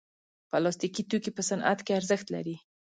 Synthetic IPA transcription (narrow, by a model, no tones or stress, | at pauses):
pəlɑst̪ikit̪okipəsanʔa̰t̪keaɾzəxt̪la̰ɾi